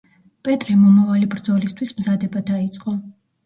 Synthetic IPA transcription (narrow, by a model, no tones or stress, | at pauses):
pʼɛt̪ʼɾɛmɔmavalibɾd̪zɔlist̪ʰwismzad̪ɛbad̪ait̪sʼqʼɔ